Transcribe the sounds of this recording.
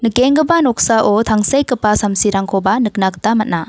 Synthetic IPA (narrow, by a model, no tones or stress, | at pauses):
nɯkeŋɡɯbanɔk̚saʔotʰaŋsajkɯpːasamsiɾaŋkʰobanɯk̚nak̚tamɐt̚na